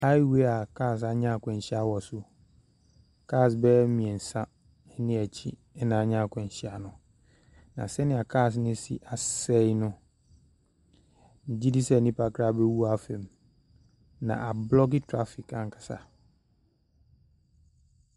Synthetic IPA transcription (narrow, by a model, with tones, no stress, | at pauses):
a˦i˦we˦a˨kʰaː˦˨s̬a˨ɲã˦˨kʰɛ̃˨ɲ̩˨ɕi˦a˦wɔ˨sʊ˦ | kʰaː˦˨s̬bɛː˦mĩ˨ɛ̃˨n̩˨sã˦ | nɪ̃˦æ˨t͡ɕʰi˦ | ɛ˦nã˨ɲã˦˨kʰɔ̃˨ɲ̩˨ɕi˦a˨nʊ̃˨ | nã˨sɛ˦nɪ̃˨a˨kʰa˦˨s̬nɪ̃˦sḭ˦ʔa˨sɛ˦jnʊ̃˦ | n̩˨di˦di˦sɛ˦˨nĩ˦pʰa˨kʰɾa˦˨bɛ˦wu˦a˨˦fɛ̃˨m | nã̰˨ʔa˨blɔ˦ɡɪ˦tʰɾa˦fi˨kã˨ŋ˨kʰḁ˨sa̰˨